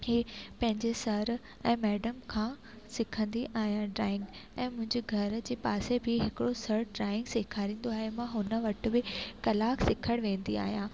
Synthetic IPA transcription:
ɦiːpɐ̃ɦɪ̃ɲd͡ʑesɐɾ | ɛ̃ːmɛːɖəmkʰãː | sɪkʰə̃nd̪iʔaːɦijãɖɾaːɪ̃ŋɡɛ̃ːmʊ̃ɦɪ̃ɲd͡ʑeɡʱɐɾd͡ʑeːpaːsebʱɪɦɪkɪɽosɐɾɖɾaːɪ̃ŋɡseːkʰaːɾĩːn̆d̪oaːɦemãɦʊnə̆ʋɐʈʊ̆bɪkɐlaːksɪkʰəɽ̃ʋẽːn̆d̪ia̰ːɦijãː

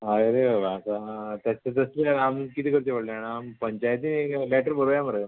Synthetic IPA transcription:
ɦaɾeʋəʋasat̪jat͡ɕat̪əslamkit̪iːkəɾt͡ɕeʋəɽleaɳaːmpəɲt͡ɕajət̪ineklɛʈəɾbəɾojaməɾə

